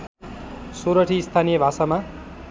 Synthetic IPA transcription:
soɾʌʈʰiːst̪ʰanijʌbʱasama

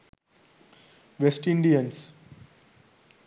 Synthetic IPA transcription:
ʋesʈĩɳɖiə̃ns

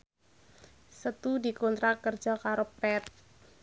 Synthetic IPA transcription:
sət̪udikont̪ɾakərd͡ʒɔkaɾopɛt̪̚

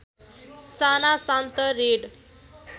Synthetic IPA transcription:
sanasãnt̪əɾeɖ

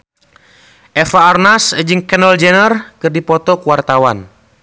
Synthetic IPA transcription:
ʔɛfaːrnasd͡ʒɨŋkɛnɔld͡ʒɛnərkɨrdipɔt̪ɔkuwart̪awan

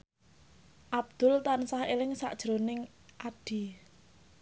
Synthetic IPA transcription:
ʔab̚d̪̥ʊ̤lt̪ansahelɪŋsa̰ʔd̥ʒ̥ɾonɪŋ | ʔaɖ̥i̤

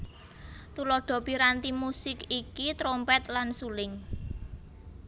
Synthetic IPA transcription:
t̪ulɔɖ̥ɔ̤piɾant̪imusɪkikit̪ɾompɛt̪lansulɪŋ

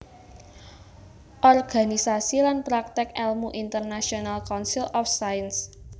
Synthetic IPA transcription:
ʔɔrɡ̥a̤nisasilanpɾak̚t̪ɪkɛlmuʔint̪ərnasionalkɔnsilɔfsajns

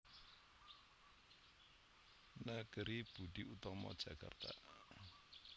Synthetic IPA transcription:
naɡ̥əɾib̥uɖ̪̥iut̪ɔmɔ̰d̥ʒ̥a̤ka̰rt̪a̰

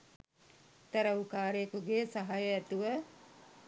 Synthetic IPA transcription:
t̪ɐɾəukaːɾejːkuɡeːsɐɦajəɛt̪uʋə

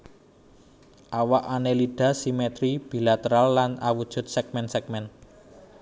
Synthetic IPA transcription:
ʔawaʔaneliɖ̥ä̤simet̪ɾib̥i̤lat̪əɾalːana̰wud̥ʒ̥ʊ̤t̪̚sɛk̚mɛnsɛk̚mɛn

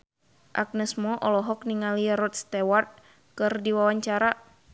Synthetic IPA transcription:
ʔak̚nɛsmɔʔɔlɔɦɔk̚niŋaliɾɔt̪̚st̪ewart̪̚ | kɨrdiwawaɲt͡ʃaɾa

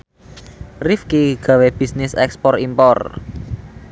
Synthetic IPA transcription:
rifkiɡ̥a̤web̥i̤snɪsɛ̰kspɔrimpɔr

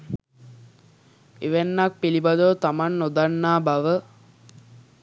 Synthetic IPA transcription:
eʋenːak̚pilibad̪ot̪amanːod̪anːaːbaʋə

